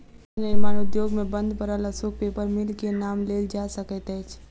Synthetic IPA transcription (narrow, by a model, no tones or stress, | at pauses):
nɪɾmanʊd̪joɡmebənd̪ʱbəɾəlasuk̚pepəɾmilkenamleld͡ʒasəkət̪əjt͡ʃʰ